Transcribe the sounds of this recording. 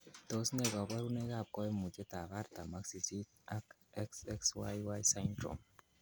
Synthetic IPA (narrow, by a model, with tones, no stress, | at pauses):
t̪o˨sne˨ɣa˨bwa˦ɾune˦ɣa˨p̚kɔe˦mu˨t͡ʃe˦t̪a˨ɣa˦ɾt̪a˨maksi˨sit̪ | ak | ɛksɛkswajwajsant̪ɾo̰m